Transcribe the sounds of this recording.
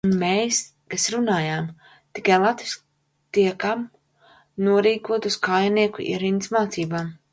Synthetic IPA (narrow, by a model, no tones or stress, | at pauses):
nmeːs | kasɾunaːjaːm | t̪ikajlˠat̪visk̚ | t̪iɛkam | nuɔɾiːkuɔt̪uskaːjaniɛkṵḭɾinsmaːt̪siːbaːm